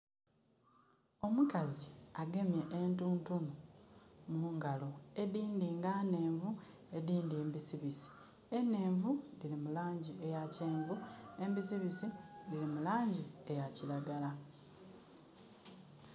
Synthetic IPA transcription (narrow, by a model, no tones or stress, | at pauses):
o̞mukaziaɡe̞mje̞ʔentuːntunu | muːŋɡalo̞e̞diːndiːŋɡane̞ːɱvu | e̞diːndeːmbisiβisi̥ | ene̞ːɱvudilimulaːɲɟiejaceːɱvue̞mbisiβisidiɾimulaːɲɟiejacilaɡala